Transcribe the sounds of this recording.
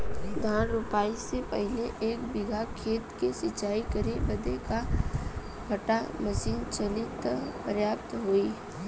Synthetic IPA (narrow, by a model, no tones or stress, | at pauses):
ɡ̪ʱaːnɾʊpaːisepəɦɪleʔeːk̚bɪɡʱakʰeːt̪kesɪt͡ʃaːikɐɾebɐd̪eka | ɡʱɐʈaməʃiːnt͡ʃɐlɪt̪pəɾjaːp̚t̪ɦoːi